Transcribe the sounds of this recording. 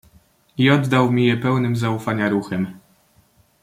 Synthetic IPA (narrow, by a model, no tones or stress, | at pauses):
iɔd̪ːawmʲijɛpɛwnɘmzaufaɲaɾuxɛm